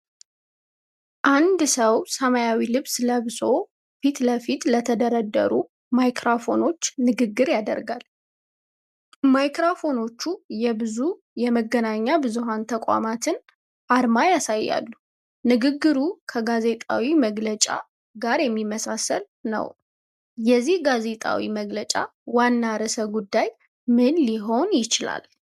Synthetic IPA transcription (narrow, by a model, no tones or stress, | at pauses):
ʔand̪səwsəmajawilɨβsləβɨso̞ | fit̪ləfit̪lət̪ʰəd̪əɾəd̪ːə̰ɾu | majkɾafo̞no̞t͡ʃːnɨɡɨɡːɨɾjad̪ə̰ɾɡal | majkɾafo̞no̞t͡ʃːujɛbɨzu | jɛməɡːənaɲːabɨzuɦant̪ʰəkʷʼa̰mat̪ʰɨn | ʔaɾmajasajːa̰lːu | nɨɡɨɡːɨɾukʰəɡaze̞t̪ʼa̰wiməɡlət͡ʃʼa̰ | ɡaɾjɛmːimːəsasəl | nə̰w | jɛzːihɡaze̞t̪ʼa̰wḭməɡlət͡ʃʼa̰wanːaɾəsəβɡud̪ːaj | mɨnliɦo̞njɪt͡ʃɪla̰l